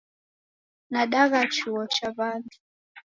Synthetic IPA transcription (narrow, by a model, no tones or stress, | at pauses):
naɗaɣat͡ʃuɔt͡ʃaβandi